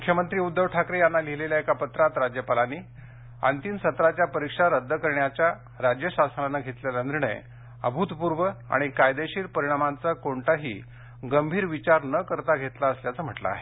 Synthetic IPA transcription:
mukʰjəmənt̪ɾiːud̪ːəʋʈʰakɾejanːaliɦleljaekapət̪ɾat̪ɾad͡ʑjəpalaniː | a̰nt̪iːnsət̪ɾat͡ɕjapəɾikʂaɾəd̪ʱːəkəɾɳjat͡ɕja | ɾad͡ʑjəɕasnanːaɡʱet̪lelaniɾɳə̰j | ə̰bʱut̪puɾʋəa̰ɽ̃ikajd̪eɕiːɾpəɾiɽ̃amant͡sakoɳʈaɦḭː | ɡəmbʱiːɾʋit͡ɕaɾnəkəɾt̪aɡʱet̪laəsljat͡səm̤əʈla̰ːɦe

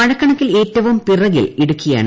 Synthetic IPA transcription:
ɐɻɐkːɐɳɐtːile̞ːtːɐʋumpirɐɣḭliɽukːuja̰ːɳɨ

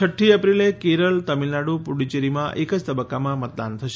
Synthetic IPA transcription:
əʈʰːiəpɾilekeɾəlt̪əmilnaɽupuɽit͡ʃeɾimãʔekəd͡ʒt̪əbəkːamãmət̪̚d̪a̰nt̪ʰəʃe

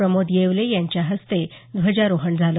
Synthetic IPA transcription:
ɾəmod̪jeʋlejaɲt͡ɕjaɦəst̪ed̪ʋəd͡ʑaɾoɦəɳd͡zʱal

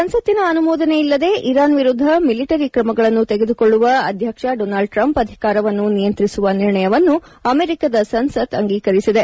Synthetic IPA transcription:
sɐnsɐt̪ːinɐːnumɔːd̪ɐneilːɐd̪e̞ːʔiɾaːnʋiɾud̪ʱːɐmiliʈɐɾikɾɐmɐɡɐɭɐnːut̪eɡe̞d̪uko̞ɭːuʋɐɐd̪ʱjɐkʂɐɖoːnaːlɖ̚ʈɾɐmpɐd̪ʱikaːɾɐʋɐnːunijɐnt̪ɾisuʋɐniɾɳɐjɐʋɐnːu | ɐmeːɾikad̪ɐsɐnsɐt̪ɐŋɡiːkɐɾisid̪e̞

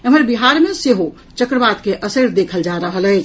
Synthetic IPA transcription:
əməɾbiɦaɾmẽseɦo | t͡ʃəkɾəbat̪keʔəsəɾd̪ekʰəld͡ʒaɾəɦəlɛt͡ʃʰ

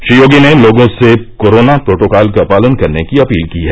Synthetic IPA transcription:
ʃijoːɡineloːɡõsekoːɾoːnapɾoːʈoːkaːlkapaːlənkɐɾnekiɐpiːlkiɦɛː

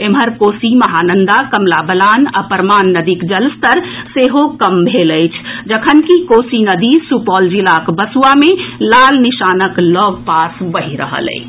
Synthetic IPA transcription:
eməɾkoːsiməɦaːnənd̪akəmlabəlaːna̰pəɾmaːnːəd̪ikd͡ʒəlst̪əɾseɦokəmbʱeləɪt͡ʃʰd͡ʒəkʰənkikoːsinəd̪isupɔːld͡ʒilakbəsuamelaːlniʃaːnəklɔːɡpaːsbəɦiɾə̰ɦə̰lə̰ɪ

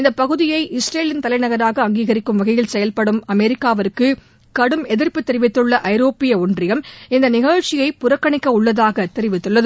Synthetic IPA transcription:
ɪnd̪ɐpːɐɣɯðɪjɐɪʔɪsɾeːlɪnt̪ɐlɐɪnɐɣɐɾaːɣɐːŋɡiːɣɐɾɪkːɯmʋɐɣɐjɪlsɛjɐlpɐɽɯmɐmɛɾɪkːaːʋɐɾkːɯ | kɐɽɯmɛðɪɾpːɯt̪ːɛɾɪʋɪt̪ːɯɭːɐʔɐɪɾoːpɪjɐʊndrɪjɣɐmɪnd̪ɐnɪɣɐɻt͡ʃːɪjɐɪpʊɾɐkːɐɳɪkːɐʊɭːɐðaːɣɐt̪ɛɾɪʋɪt̪ːɯɭːɐðɯ

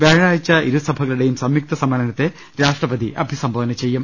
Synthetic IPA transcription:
ʋeːɻaːjit͡ɕːɐʔiɾusɐbʱɐɣɐluɽejumsɐmjuk̚t̪ɐsɐmɐlɐnɐt̪ːe̞ | ɾaːʂʈrɐpɐd̪iʔɐbʱisɐmbʱoːʋnɐt͡ɕejːum

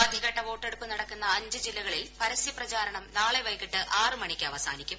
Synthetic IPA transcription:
ɐd̪ʱiɣɐʈːɐʋo̞ːʈːe̞ɽupːɨnɐɽɐkːunːɐːɲd͡ʑɨd͡ʑilːɐɣɐɭilpɐɾɐsjiprɐt͡ɕaːɾɐɳɐmnaːɭeʋɐjkiʈːɨʔaːrɨmɐɳikʲːɨɐʋɐsa̰ːnikʲːum

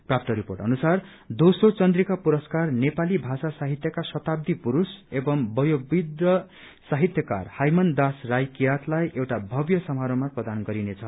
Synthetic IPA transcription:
prap̚t̪ʌɾiporʈʌ̰nusar | d̪osot͡sʌnd̪rikapuɾʌskarnepalibʱasasaɦit̪jʌkasʌt̪ab̚d̪ipuɾusebʌmbʌjoɡbid̪ʌ | saɦit̪jʌka̰rhajmʌnd̪asrajkijat̪lajʔewʈabʱʌbjʌsʌmɦaɾomaprʌd̪anɡʌɾinet͡sʰʌ

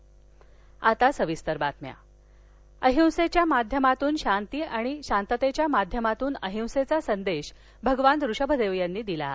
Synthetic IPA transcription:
at̪asəʋist̪əɾbat̪mja̰ | əɦiw̃set͡ɕjamad̪ʱjəmat̪uːnɕant̪iːʔaɽ̃iɕant̪ət̪et͡ɕjamad̪ʱjəmat̪uːnəɦiw̃set͡sasənd̪eɕ | bʱəɡʋand̪ɾuɕəbʱəd̪eʋjanːiːd̪ila̰

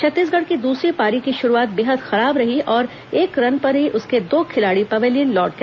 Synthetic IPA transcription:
t͡ʃʰɐt̪ːiːs̬ɡɐɽ̤kid̪uːsɾipaːɾikiʃʊɾuaːt̪̚beːɦəd̪xɐɾaːbɾɐɦiʔɔːɾ | eːkɾɐnpɐɾɦiʔʊsked̪oːkʰɪlaːɽipɐʋeːliːnlɔːʈ̚ke

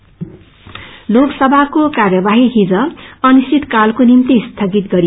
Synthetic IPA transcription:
loɡsʌbʱakokarjʌbaɦiɦid͡zʌʌnisit̪kalkonimt̪ist̪ʰʌɡit̪ɡʌɾi

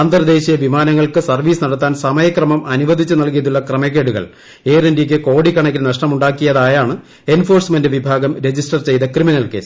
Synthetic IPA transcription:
aːnd̪ɐrɐd̪e̞ːɕijɐʋimaːnɐŋːɐɭkɨsɐrʋiːsɨnɐɽɐt̪ːaːnsɐmɐjɐkrɐmɐmʔɐnuʋɐd̪ʱit͡ɕːɨnɐlkijɐðuɭːɐkrɐmekːeːɽuɣɐ̰ɭ | eːrendik̬ʲːɨko̞ːɽikːɐɳɐkʲːɨnɐʂʈɐmuɳɖaːkːijɐðaːjaːɳɨ | e̞nfo̞ːrsmendɨʋibʱaːɡɐmɾe̞d͡ʑisʈɐrt͡ɕe̞jt̪ɐkriminɐlke̞̰ːs

